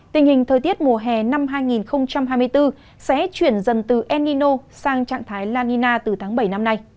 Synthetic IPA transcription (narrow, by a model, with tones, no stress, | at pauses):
t̪ï˨˩ŋ̟hï˨˩ŋ̟t̪ʰəː˨˩t̪i˦˥ət̚mu˨˩əɦɛ˨˩na˧mɦaː˧jŋi˨˩nxə˧wŋ͡mt͡ɕa˧mɦaː˧jm˧əjt̪ɨ˧ | sɛ̰˧˥t͡ɕwi˧˩ənzə˨˩nt̪ɨ˨˩ʔɛ˧ni˧no˧saː˧ŋt͡ɕa̰ː˧˨ŋt̪ʰaː˨˦jlaː˧ni˧naː˧t̪ɨ˨˩t̪ʰaː˨˦ŋɓə˧˩jna˧mna˧j